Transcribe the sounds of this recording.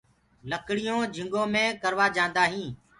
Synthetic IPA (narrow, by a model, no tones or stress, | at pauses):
ləkɽɪjõːd͡ʒʱɪ̃ŋɡõːmẽːkəɾʋaːd͡ʒãːnd̪aːɦĩː